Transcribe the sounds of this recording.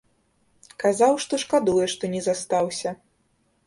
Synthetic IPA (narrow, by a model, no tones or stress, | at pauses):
kazawʂt̪ɔʂkad̪ujɛʂt̪ɔnʲɛzast̪awsʲɐ